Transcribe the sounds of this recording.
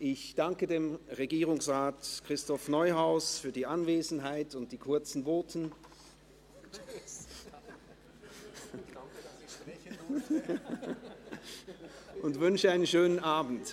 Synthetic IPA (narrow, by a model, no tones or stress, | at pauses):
ʔɪçd̥aŋkədeːmʁeɡiːʁʊŋsʁaːtkʁ̥ɪstɔfnɔʏɦaʊsfyːɐdiːʔanveːzn̩ɦaɪtʊnt̚d̥iːkʰʊɐt͡sn̩voːtʰn̩ | ʔʊntvʏnʃəaɪnənʃøːnənʔaːbn̩t